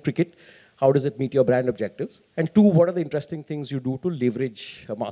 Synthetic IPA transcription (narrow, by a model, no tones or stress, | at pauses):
kɾɪkɪʈ̚ | haʊɖɐzɪʈ̚miːʈjɔːbɾæ̃ɳɖɔb̚d͡ʒɛk̚ʈɪʋz | ɛ̃ɳɖʈuːʋɔʈaɾd̪əɪ̃ɳʈɾɛsʈɪ̃ŋt̪ʰɪ̃ŋzjuːɖuʈulɪʋɾɪd͡ʒma̰ː